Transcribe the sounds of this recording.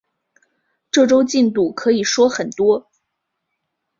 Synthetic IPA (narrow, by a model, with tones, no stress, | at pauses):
ʈ͡ʂɤ˥˩ʈ͡ʂo˥ʊt͡ɕi˥˧nt̪u˥˩kʰɤ˧˥i˨˩ʂwɔ˥xə˨˩nt̪wɔ˥